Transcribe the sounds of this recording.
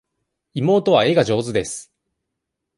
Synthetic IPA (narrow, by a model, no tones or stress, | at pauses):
imo̞ːt̪o̞βae̞ɡaʑo̞ːzɨd̪e̞sɨ̥